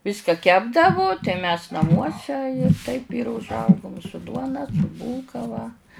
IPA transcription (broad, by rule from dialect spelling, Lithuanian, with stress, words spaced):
ˈʋʲɪskɐ ˈkʲæːbdɐʋʊ tɐɪ mʲɛs nɐˈmuɔsʲɛ tɐɪp ɪr ʊʒˈɐʊɡʊm sʊ ˈduɔnɐ sʊ ˈbuːlˠkɐ ʋɐ